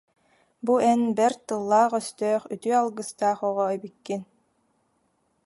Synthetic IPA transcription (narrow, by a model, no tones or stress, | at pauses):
buɛnbɛɾt̪ɯlˠːaːχœst̪œːχyt̪yalˠɡɯst̪aːχɔʁɔœbikːin